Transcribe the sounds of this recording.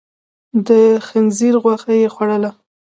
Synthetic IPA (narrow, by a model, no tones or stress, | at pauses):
d̪əxanziɾɣwaxajexwaɽəla